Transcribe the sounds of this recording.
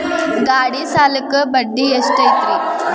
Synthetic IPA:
ɡaːɽisaːlɐkːɯbɐɖːiesʈɐjt̪ɾi

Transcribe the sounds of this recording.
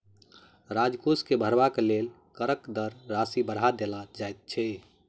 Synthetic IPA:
ɾad͡ʒkoskebʱəɾbakelel | kəɾəkd̪əɾːasibəɽɦad̪elad͡ʒaejt̪̚t͡ʃʰɛ

